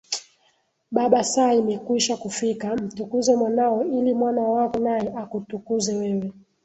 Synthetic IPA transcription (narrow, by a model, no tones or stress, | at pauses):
ɓaɓasaimɛkwiʃakufikam̩tukuzɛmwanaɔilimwanawakɔnajɛʔakutukuzɛwɛwɛ